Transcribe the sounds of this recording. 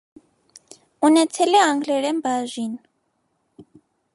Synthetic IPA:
unɛt͡sʰɛlɛaŋɡlɛɾɛmbaʒʷin

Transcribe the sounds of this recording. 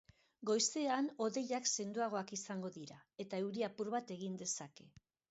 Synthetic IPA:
ɡo̞jse̞ano̞ðe̞ʎakse̞nd̪uaɣ̞o̞akisaŋɡo̞ðiɾae̞t̪ae̞wɾiapuɾβat̪e̞ɣ̞ind̪e̞sake̞

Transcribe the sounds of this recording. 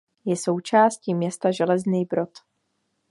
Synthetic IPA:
jɛso̞wt͡ʃaːscimɲɛst̪aʒɛlɛzniːbɾo̞t̪

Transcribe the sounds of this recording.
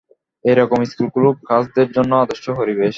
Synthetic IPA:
eɾɔkomiskulkulub̚kʰasd̪eɾd͡ʑonːoad̪oʃːoɦoɾibeʃ

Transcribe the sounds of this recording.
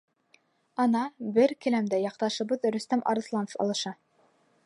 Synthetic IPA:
ɑnɑbɘɾkɘ̆læmd̪æjɑqt̪ɑʃɤ̆βɤðɾɵ̆st̪æmʔɑ̰ɾɤ̆slˠɑnofɑ̰lˠɤ̆ʃɑ

